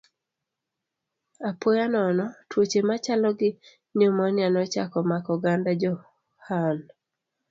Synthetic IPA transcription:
apojanɔnɔtwot͡ʃemat͡ʃalɔɡɪ | ɲomɔnɪanɔt͡ʃa̰kɔmakɔɡandad͡ʒɔ | han

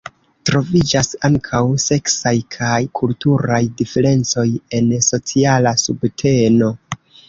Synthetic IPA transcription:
tɾo̞vid͡ʒasaŋkʰawse̞ksajkʰajkʰultuɾajdife̞ɾe̞nt͡so̞je̞nso̞t͡sialasubtʰe̞no̞

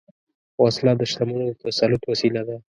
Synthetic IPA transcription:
wɑslɑd̪əʃt̪amunot̪asalʊt̪wasilad̪a

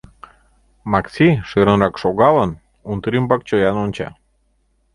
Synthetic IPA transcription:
mɑksʲiʃøɾə̆nɾɑkʃoɣɑlən | unt̪ɾimbɑk̚t͡ɕojɑnonʲt͡ɕɑ̰

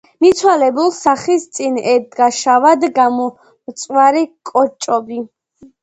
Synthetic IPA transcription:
mit̪sʰwalɛbulˠsaχist̪sʼinɛd̪ɡaʃavad̪ɡamɔ | mt̪sʼwaɾikʼɔt͡ʃʼɔbi

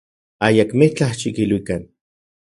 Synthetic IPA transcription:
ajakmeht͡ɬaht͡ʃikilwikan

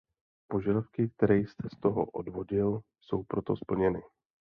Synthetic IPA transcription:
po̞ʒadafkɪk̚t̪ɛɾɛjst̪ʰɛst̪o̞ɦo̰ʔo̰dvo̞ɟɪl | so̞wpɾo̞t̪o̞spl̩ɲɛnɪ

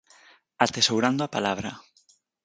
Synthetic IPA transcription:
at̪esowɾand̪oapalaβɾa

